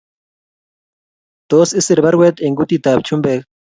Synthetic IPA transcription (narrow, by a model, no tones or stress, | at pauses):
t̪osisiɾbaɾwet̪eŋɡut̪it̪aːp̚t͡ʃumbek